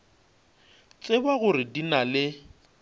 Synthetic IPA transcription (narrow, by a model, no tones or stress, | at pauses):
t͡sʼɪbaɣʊɾɪdinalɪ